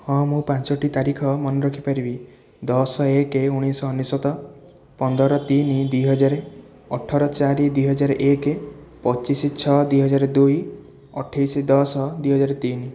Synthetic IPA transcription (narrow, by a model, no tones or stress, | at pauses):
hɔ̃mũpant͡ʃɔʈit̪aɾikʰɔmɔnɔɾɔkʰipaɾibi | d̪ɔsɔekeuɽ̃isɔːnːisɔt̪ɔ | pɔnd̪ɔɾɔt̪inid̪ujɦɔd͡ʒaɾe | ɔʈʰɔɾɔt͡ʃaɾid̪wijɦɔd͡ʒaɾeʔeke | pɔt͡ʃisit͡ʃʰɔd̪wiɦɔd͡ʒaɾed̪uj | ɔʈʰajsid̪ɔsɔd̪wiɦɔd͡ʒaɾet̪ini